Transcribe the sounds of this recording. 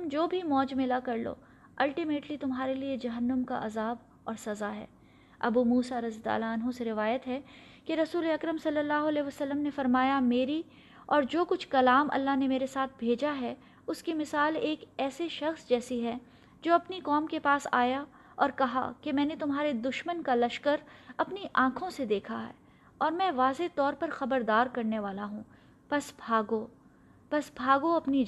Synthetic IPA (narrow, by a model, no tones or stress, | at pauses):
md͡ʒoːbʱimɔːd͡ʒmɪlakɐɾlo̰ː | ɐlʈimeːʈlit̪ʊmɦaːɾelied͡ʒɐɦənːəmka̰ʔɐzaːb | ɔːɾsɐzaɦɛ̰ː | ɐ̰bumuːsaɾɐzjət̪a̰ːlaɐnɦõseɾɪʋaːjət̪ɦɛ | keɾɐsuːleɐkɾəmsɐlːəlːaːɦʊɐlɛːʋəsɐlːəmnefɐɾmaːjameːɾi | ɔːɾd͡ʒoːkʊt͡ʃʰkɐlaːmʔɐ̰lːaɦnemeːɾesaːt̪̚ʰbʱeːd͡ʒaɦɛ | ʊskimɪsaːleːkɛːseʃɐxsd͡ʒɛːsiɦɛ | d͡ʒoːɐpnikɔːmkepaːsa̰ːja | ɔːɾkɐɦa̰kemɛ̃ːnet̪ʊmɦaːɾed̪ʊʃmənkalɐʃkəɾɐpniʔãːkʰõsed̪eːkʰaɦɛ̰ː | ɔːɾmɛ̃ʋaːzet̪ɔːɾpɐɾxɐbəɾd̪aːɾkɐɾneʋaːlaɦũː | pɐsbʱaːɡo | pɐsbʱaːɡoɐpni